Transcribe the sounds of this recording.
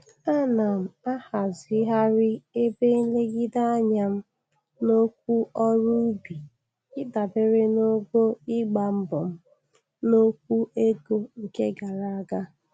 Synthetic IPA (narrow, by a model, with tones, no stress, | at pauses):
a˦na˨m̩˨a˦ha˨zɪ˦ɦa˦ɾɪ˦e˦be˦n̩˦le˦ɡi˦da˦a˦ɲa˦m̩˦ | no˦kʷu˦ʔɔ˦ɾu˦bi˨ | ɪ˦da˨be˦ɾɪ˦no˦ɡo˦ɪ˦ɡ͡ba˨m̩˦bɔ˨m̩˦ | no˦kʷu˦e˦ɡo˦ŋ̩˨ke˦ɡa˨ɾa˦a˦ɡa˦